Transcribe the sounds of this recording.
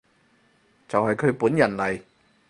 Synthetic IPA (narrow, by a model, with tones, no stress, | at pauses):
t͡sɐ˨whɐ˨jkʰɵ˨˧ɥpuː˨˥njɐ˨˩nlɐ˨˩j